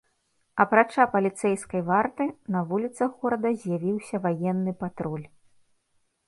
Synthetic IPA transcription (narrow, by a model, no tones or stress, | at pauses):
ɐpɾat͡ʂapɐlʲit̪sɛjskɐjvart̪ɨnɐvulʲit̪sɐxɣɔɾɐd̪ɐzʲjavʲiwsʲɐvajɛnːɨpat̪ɾɔlʲ